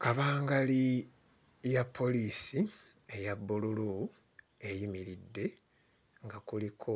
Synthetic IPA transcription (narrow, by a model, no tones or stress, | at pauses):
kaβaːŋɡali | japʰːo̞liːsi | ejabːululu | ejimiɾidːe̞ | ŋɡakulikʰo